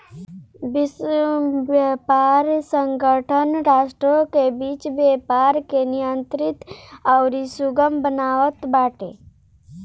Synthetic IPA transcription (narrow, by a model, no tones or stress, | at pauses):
bɪs | ʋjəpaːɾsə̃ŋɡəʈʰənɾaːʃʈɾokebiːt͡ʃbjeːpaːɾkenijənt̪ɾɪt̪aʊɾisʊɡəmbənaːʋət̪baːʈḛ